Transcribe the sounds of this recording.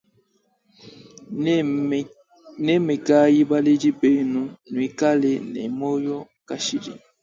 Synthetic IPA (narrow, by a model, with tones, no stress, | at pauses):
ne˦me˨ka˦ji˦ba˦le˦di˦be˨nu˦nu˨i˦ka˦le˨nɛ̰˨mo˦jɔ˦ | ka˦ʃi˨dḭ˨